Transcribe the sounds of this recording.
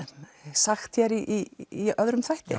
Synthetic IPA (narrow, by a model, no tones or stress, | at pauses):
saxt̪çɛɾiʔiːœðɾʏmθajht̪ɪ̰